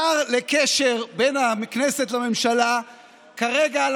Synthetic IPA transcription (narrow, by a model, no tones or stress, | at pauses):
aʁlekeʃeʁbenamiknese̞tlame̞mʃala | kaʁeɡal